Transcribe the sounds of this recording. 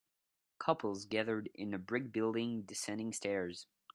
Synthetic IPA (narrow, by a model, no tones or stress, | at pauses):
kʰʌpʰl̩ˠzɡæðə˞ɾɪ̰̃nɨbɹɪɡ̚bɪlˠdɪ̃ŋdɨsɛ̃ndɪ̃ŋstɛɹz̥